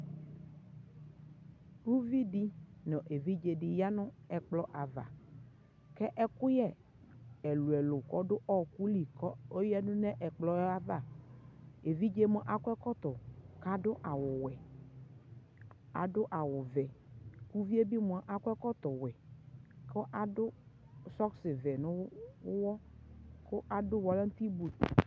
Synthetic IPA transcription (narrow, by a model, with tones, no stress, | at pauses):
wu˦vi˦ɖi˦nɔ̃˨ʔe˨vi˦d͡ʒe˨ɖɪ˨ja˦nʊ̃˦ɛ˨k͡plɔ˦ʔa˨va̰˨ | kɛ˦ʔɛ˦kʊ˦jɛ˦ | ɛ˨lu˨ɛ˨lʊ˨kɔ˦ɖʊ˦ʔɔ˦ku˦li˨kɔ˦o˦jɛ˦nʊ̃˦nɛ̃˦ʔɛ˨k͡plɔ˨˦a˦va˦˨ | e˨vi˦d͡ʒe˦mɔ̃˦ʔa˨kʊ˦ɛ˦kɔ˦t̪ɔ˨ka˨dʊ˦ʔa˨wʊ˨wɛ˨ | a̰˨ɖʊ˦ʔa˨wʊ˨vɛ˨ku˦vi˦e˦bi˦m˨ɔ˨ʔa˨kʊ˦ɛ˦kɔ˦t̪ɔ˨wɛ˨kɔ˦ʔa˨dʊ˦ | sɔ˦ksɪ˨vɛ˨nʊ̃˦wɔ˦kʊ˦ʔa˨dʊ˦wɔ˨la˦ŋ̩˦t̪i˦bu˨t̪